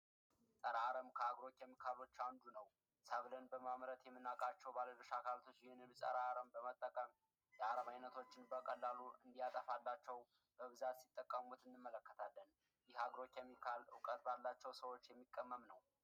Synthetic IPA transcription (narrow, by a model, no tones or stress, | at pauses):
sʼəɾaaɾəmkʰəaɡɾo̞t͡ʃːjɛmːikʰalo̞t͡ʃːand̪unəw | saβlənbəmamɾət̪jɛmːɨnːakʼat͡ʃːɛwbaləlɨʃakʰalt̪ʰo̞t͡ʃːjɪhɪnɨnsʼə̰ɾaaɾəmbəmət̪ʼːəkʼəm | jəaɾəmajnət̪ʰo̞t͡ʃːɪnbəkʼəlːaluɨnd̪ijat̪ʼəfalːat͡ʃːɛw | b̥əβɨzat̪sit̪ʼːəkʼːəmut̪ɨnːɨmːələkːət̪ʰalːən | jɪhaɡɾo̞t͡ʃːjɛmːikʰalʊkʼət̪balːat͡ʃːɛwsəwo̞t͡ʃːjɛmːikʼːəmːəmnəw